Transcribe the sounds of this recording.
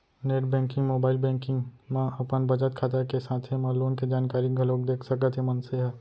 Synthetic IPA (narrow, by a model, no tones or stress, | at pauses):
neːʈbɛ̃ːŋkɪ̃ŋɡmoːbaːɪlbɛ̃ːŋkɪ̃ŋɡmãɐpənbɐd͡ʒət̪̚kʰaːt̪akesaːt̪ʰɦemãloːnked͡ʒaːnkaːɾiɡʱɐloːk̚d̪eːkʰsɐkət̪ʰɦemɐnseɦɛː